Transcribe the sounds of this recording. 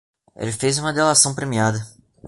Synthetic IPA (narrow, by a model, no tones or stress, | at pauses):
ḛlɪfejzũmɐd̪elasɐ̃w̃pɾemiad̪ɐ